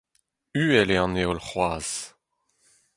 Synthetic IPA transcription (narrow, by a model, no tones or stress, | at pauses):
yːɛleɑ̃neolχwaːz̥